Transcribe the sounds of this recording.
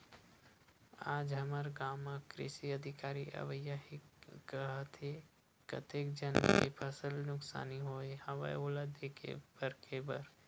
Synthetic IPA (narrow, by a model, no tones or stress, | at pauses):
aːd͡ʒɦəməɾɡaːmakɾɪ̰ʃiəd̪ʱɪkaːɾiʔɐ̰ʋəjaɦikəɦat̪ʰe | kə̰t̪eːkd͡ʒənkḛpʰəsəlnʊksa̰ːniɦoːehɐʋə̰joːlad̪ekʰḛbəɾkʰebə̰ɾ